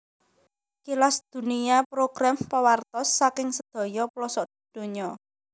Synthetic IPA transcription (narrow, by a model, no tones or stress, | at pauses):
kilasd̪̥ṳniapɾoɡ̥ɾampawart̪ɔsːakɪŋsəd̪̥ɔ̤jɔplɔsɔʔd̪̥i̤d̪̥o̤ɲɔ